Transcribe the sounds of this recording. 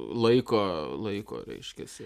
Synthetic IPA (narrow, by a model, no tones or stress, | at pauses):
lˠɐɪkoːlˠɐɪko̰ːɾʲɛ̰ɪʃʲkʲɛsʲɪ